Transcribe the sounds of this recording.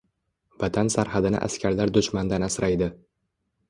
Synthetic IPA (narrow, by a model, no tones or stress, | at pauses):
vat̪ʰansaɾhad̪ɪnɪ̰ʔa̰skʲaɾlaɾd̪ʊʃmand̪anasɾajd̪ɪ